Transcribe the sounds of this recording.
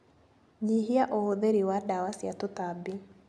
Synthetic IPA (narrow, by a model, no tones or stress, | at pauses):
ɲiɦiaʔohoðeɾiwadawasjatotabi